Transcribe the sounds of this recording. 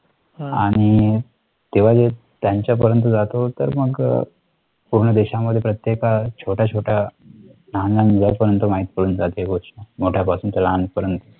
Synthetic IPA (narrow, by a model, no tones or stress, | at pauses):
aɽ̃i | t̪eʋ̤ad͡ze | t̪jãɲt͡ɕjap̬əɾjənt̪̬əd͡zat̪ot̪ə̰ɾməɡ | puɾɳəd̪eɕaməd̪ʱːjepɾət̪jekat͡ɕʰoʈʰat͡ɕʰoʈʰa | nananid͡zapəɾənt̪əmaɦit̪pəɽuːnd͡zat̪eeɡoɕamoʈʰjapasuːnt͡salanpəɾənt̪ə